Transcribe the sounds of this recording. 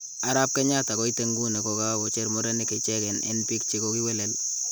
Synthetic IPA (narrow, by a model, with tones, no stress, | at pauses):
a˦ɾa˦p̚kɛ˦ɲa˦ta˨kɔ˦i˦te˦ŋɡu˦ne˨kɔ˨ka˦kɔ˨t͡ʃe˦ɾmɔ˦ɾɛ˦ni˦kɛ˨t͡ʃɛ˦kɛ˨nḛ˦npi˦kt͡ʃi˦ko˦ki˦wɛ˦lɛ˨l